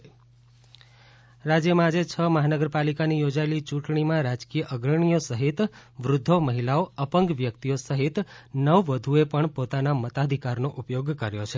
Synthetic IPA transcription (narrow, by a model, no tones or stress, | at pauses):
ɾad͡ʒjəmãad͡ʒet͡ʃʰəməɦanəɡəɾpalikanijod͡ʒaelit͡ʃũʈɳimãɾad͡ʒkijəʔəɡɾəɳ̃ijosəɦit̪ʋɾʊd̪ʱːoməɦilaoəpəŋɡʋjək̚t̪ijosəɦit̪nəʋʋəd̪ʱuepəɳpot̪anamət̪ad̪ʱikaɾnoʔupjoɡkəɾjot͡ʃʰe